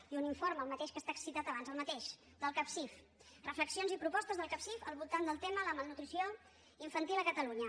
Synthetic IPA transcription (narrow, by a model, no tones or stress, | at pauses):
iuniɱfoɾməlˠmət̪eʃkəst̪aksit̪at̪əβanzəlˠmət̪eʃ | d̪əlˠkapsif | rəfləksionzipɾupɔst̪əzðəlˠkapsifəlˠβulˠt̪and̪əlˠt̪emələməlˠnut̪ɾisio | iɱfənt̪iləkət̪əluɲə